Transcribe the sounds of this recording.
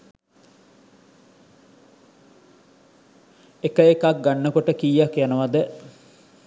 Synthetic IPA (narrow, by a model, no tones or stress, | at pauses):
ekəekak̚ɡanːəkoʈəkijakjanəʋad̪ə